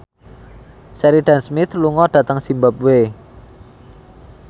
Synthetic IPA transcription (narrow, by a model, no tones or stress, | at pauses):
sɛɾiɖ̥a̤nsmɪt̪luŋɔɖ̥ä̤t̪əŋsimbap̚we